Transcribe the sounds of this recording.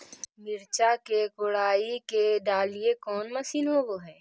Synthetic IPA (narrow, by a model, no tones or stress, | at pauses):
mɪɾt͡ʃakekʊɽaːikeɖaːliekɔːnmɐsiːnɦoʋoɦɛː